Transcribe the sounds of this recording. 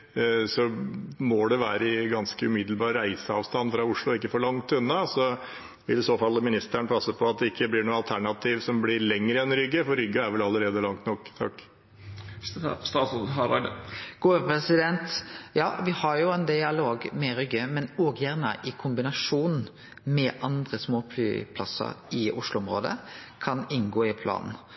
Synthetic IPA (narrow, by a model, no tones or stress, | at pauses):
sɔmɔd̪ɛʋæ̰ːɾəɪɡɑnskəʉmɪd̪lbɑːɾɾæɪsəɑːʋst̪ɑnfɾɑʊʂɭʊɔɪkːəfɔɭɑŋt̪ʉnːɑsɔ | ʋɪlɪsoːfɑlːmɪnɪst̪æɳpʰɑsːəpʰɔɑt̪̚d̪ɛɪkːəblɪɳuːɑlt̪ʰæɳɑt̪ʰiːʋsɔmblɪɾlɛŋːɾəɛnɾʏɡːəfɔɾʏɡːɑæɾʋɛlɑlːəɾeːd̪əlɑŋt̪nɔkːt̪ʰɑ̰kː | t̪ɑ | ɡ̥uːpʰɾɛsɪd̪ɛnt̪jɑ̰ːʋɪhɑɾjʊɛnd̪ɪɑloːɡmɛɾʏɡːəmɛnoɡjæʁnə̰ʔɪkʰʊmbɪnɑʂuːn | mɛʔɑnd̪ɾəsmoːpʰly̰ːpʰlɑ̰sə̰ɾɪʔʊ̰ʂlʊɔmɾo̰ːd̪ə̰kʰɑnɪnɡoːɪpʰlɑ̰ːnn̩